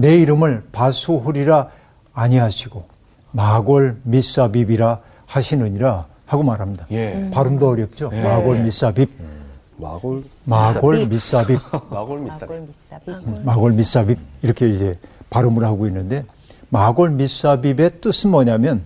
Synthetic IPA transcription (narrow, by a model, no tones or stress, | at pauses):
ne̞iɾɯmɯɭpasʰuɦuɾiɾaː | ɲiɦaɕʰiɡ̥o | maɡʌɭmis͈abibiɾa | haɕʰinɯɲiɾa | haɡomaɾɦamɲidapaɾɯmdoʌɾjʌp̚t͡ɕ͈omaɡʌɭmis͈abib̚ | maɡʌɭmis͈abip̚ | maɡʌɭmis͈abib̚iɾʌkʰe̞id͡ʑe̞paɾɯmɯɭhaɡoinːɯnde̞ | maɡʌɭmis͈abibe̞t͈ɯsʰɯnmʌɲamjʌn